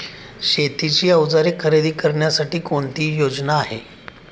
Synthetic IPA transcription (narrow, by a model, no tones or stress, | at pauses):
ɕet̪it͡ɕiːəʋd͡zaɾiːkʰəɾed̪iːkəɾɳjasaʈiːkoɳt̪iːjod͡znaːɦḛ